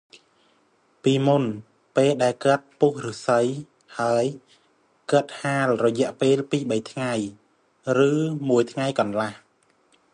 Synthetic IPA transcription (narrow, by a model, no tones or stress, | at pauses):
piːmun | peːlɗaɛlkə̆ət̪̚puhrɨsəj | haəj | kəət̪̚haːlrɔjɛ̆əʔpeːlpiːɓəjt̪ʰŋaj | rɨːmuəjt̪ʰŋajkɑnlah